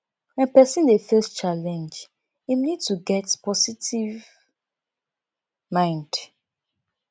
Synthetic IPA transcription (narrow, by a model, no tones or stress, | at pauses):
wɛ̃npɛsĩndefɛst͡ʃalɛ̃nd͡ʒ | imnid̚tuɡɛtpɔsitiv | mãɪ̃nd̥